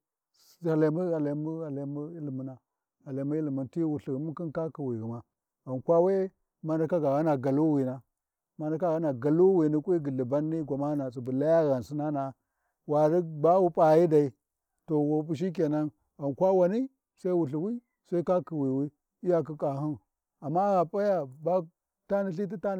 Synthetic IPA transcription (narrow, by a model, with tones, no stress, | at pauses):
a˨la˨˦mu˦ɣa˨la˨mu˦a˨la˨˦mu˦i˦li˨mu˨na˨ | a˨la˨˦mu˦i˦li˨mu˨nti˦wu˨ɬi˨ɣi˨mu˦ki˦nka˦ki˨wi˨ɣi˨ma˨ | a˨nkʷa˦we˦ | ma˦nda˦ka˦ɡa˨ɣa˦na˨ɡa˨lu˦wi˨na˦ | ma˦nda˦ka˦ɣa˦na˨ɡa˨lu˦wi˨ni˦kʷʼi˦ɡə˨li˨ba˦nːi˦ɡʷa˨ma˦na˨si˨bu˨la˦ja˦ɣa˨n˨si˦na˦na˨ | wa˨ɾi˦ba˦wu˦pʼa˨ji˦da˨i˨ | to˨wo˨p̬u˨ʃ̬i˦k̬e˨na˦n | ɣa˨nkʷa˦wa˨ni˦ | sa˦i˦wu˨ɬi˨wi˦ | sa˦i˦ka˦ki˨wi˨wi˦ | i˦ja˦k̬i˦kʼa˨ɦu˦n | a˨mːa˦ɣa˨pʼa˦ja˦ba˦ | ta˦ni˦ɬi˦t̬i˦ta˦